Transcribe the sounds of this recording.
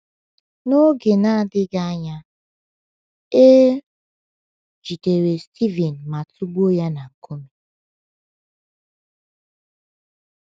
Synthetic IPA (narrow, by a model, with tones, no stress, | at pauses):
no˦ɡe˨na˦a˨dɪ˦ɡa˦a˦ɲa˦ | e˦ | d͡ʒi˨te˨ɾe˨stʰi˦vɛ˨n̩˨ma˨tʰu˦ɡ͡bo˦ja˦na˨ŋ̩˨kʰo˦mi˦